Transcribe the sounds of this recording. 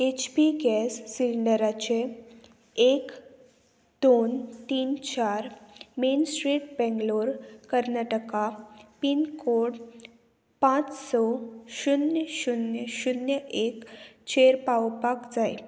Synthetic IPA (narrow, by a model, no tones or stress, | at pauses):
et͡ɕbiɡɛsːiliɳɖəɾat͡ɕe | ek | d̪ont̪iːnt͡ɕaɾmensʈɾiːʈ̚bɛ̃ŋɡloɾkəɾnaʈəkapinkoɽ | pãt͡ssɔɕunjəɕunjəɕunjəʔekt͡ɕeɾpawpakd͡zaj